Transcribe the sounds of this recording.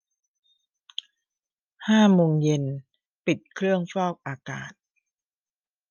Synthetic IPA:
haː˥˩moː˧ŋje˧n | pi˨˩t̪̚kʰɾɯ˥˩əŋfɔː˥˩p̚ʔaː˧ka̰ː˨˩t̪̚

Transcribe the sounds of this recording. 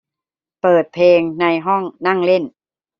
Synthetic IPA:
pɤː˨˩t̪̚pʰleː˧ŋna˧jɦɔ˥˩ŋna˥˩ŋle˥˩n

